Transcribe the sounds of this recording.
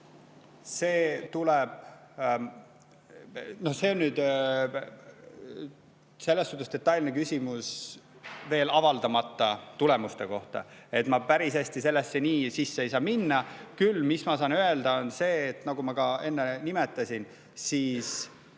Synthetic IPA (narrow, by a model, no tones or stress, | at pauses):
se̞ːt̪uleb̥̚ | no̞hse̞onːyːd̪̥ | se̞lːest̪ut̪ːˑusd̪̥e̞t̪ːˑɑjlʲnekysʲimus | ve̞ːlɑvɑld̪ɑmɑt̪ˑːɑt̪ule̞must̪e̞ko̞ht̪ɑ̰e̞t̪ːmɑpæɾisest̪ise̞lːesːeniːsisːeejsɑːminːɑkylːmismɑsɑːnøe̞ld̪ɑo̞nse̞ːt̪nɑɡ̥umɑkɑe̞nːenimet̪ːˑɑsʲin | siːs